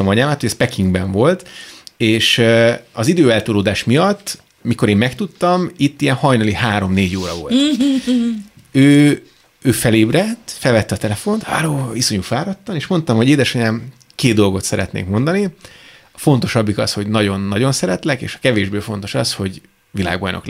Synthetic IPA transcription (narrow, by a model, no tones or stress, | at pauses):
ɒmɒɲaːmaːt̪hoɟɛspɛkiŋɡbɛɱvo̞lt̪eːʃɒzid̪øːɛlt̪uloːd̪aːʃmijɒt̪ː | miko̞ɾeːmːɛkt̪ut̪ːɒmit̪ːiɛnhɒjnɒlihaːɾo̞mneːɟoːɾɒ̰vo̞̰lt̪ | øː | øːfɛleːbrɛt̪ːfɛlvɛt̪ːɛɒt̪ɛlɛfo̞nt̪haːɾoːiso̞ɲufaːɾɒt̪ːɒmeːʃmo̞nt̪ɒmho̞ɟeːd̪ɛʃɒɲaːm | keːd̪̚d̪o̞lɡo̞t̪sɛɾɛ̰t̪nḛːkmo̞nd̪ɒni | ɒfo̞nt̪o̞ʃɒbːikɒ̰sho̞ɟnɒɟo̞nːɒɟo̞nsɛɾɛt̪lɛkḛːʃɒ̥kɛveːʒbøːfo̞nt̪o̞ʃɒsho̞ɟ | vila̰ːɡbɒ̰jno̞̰k